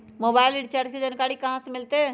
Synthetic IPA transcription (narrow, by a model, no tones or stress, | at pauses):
mobajliɖt͡ʃaɾked͡ʒankaɽikəɦãsemilt̪e